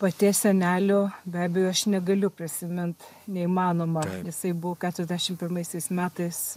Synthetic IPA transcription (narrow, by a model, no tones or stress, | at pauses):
pɐt̪ʲiːsʲɛnʲæːlʲoːbʲæːbʲɛjoːɐʃnʲɛɡɐlʲʊpʲɾʲɪsʲɪmʲɪnt̪ | nʲɛiːmɑːnoːmɐjɪsɐɪbʊʋokʲæːt̪ʲɾʲɛzʲd̪ʲæʃʲɪmpʲɪrmɐɪsʲɛɪsmʲæːt̪ɐɪs